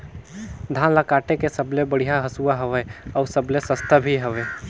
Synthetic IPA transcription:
d̪ʱaːnlakaːʈekesəblebəɽ̤ijaɦɐsuwaɦɐʋeɔːɾsəblesəst̪ʰəbʱiɦəʋeː

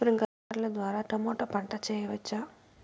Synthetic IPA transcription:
pɾiŋɡ | ɾlɐd̪ʋaːɾaːʈɐmɔːʈɐpɐɳʈɐt͡ʃɛːjɐʋɐt͡ʃːa

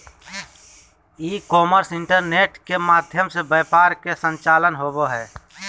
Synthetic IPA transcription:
iːkɔːməɾsɪɳʈəɾneːʈkemaːd̪ʱjəmsebəːpaːɾkesə̃nt͡ʃaːlənɦoboɦɛː

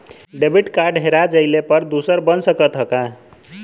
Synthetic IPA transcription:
ɖebʱiʈkaɾɖɦeɾad͡ʒəjlepʌɾd̪usəɾbʌnsəkət̪ɦʌka

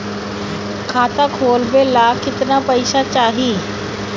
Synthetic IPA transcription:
kʰaːt̪akʰoːlbelaːkɪt̪napɐɪʃat͡ʃaːɦiː

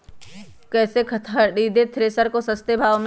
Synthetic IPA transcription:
kɛːsekʰt̪ʰɐɖiːd̪et̪ʰɾeːsəɾkosɐst̪ebʱaːʋm

